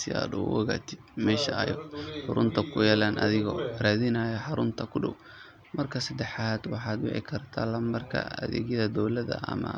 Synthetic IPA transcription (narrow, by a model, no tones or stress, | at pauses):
sɪa̰ːd̪ʊwɐ̰ɣaːt̪ʰɪd̪̥̚mɛːʃɐɐjħʊɾʊnt̪ʰɐkʰʊjɛːlaːnʔɐ̰ðɪɣɔɾaːðɪnaːjɐħɑɾʊnt̪ʰɐkʰʊɖɔw | mɐrkʰɐsɐd̪ɛħaːd̪wɑħɑːd̪wɪ̰ʕɪ̰kʰɐrt̪ʰa̰ːlɐmbɐrkʰɐ̰ɐðɛ̰ːɣjɐðɐd̪ɔwlɐðɐ̰ʔɐ̰mɐ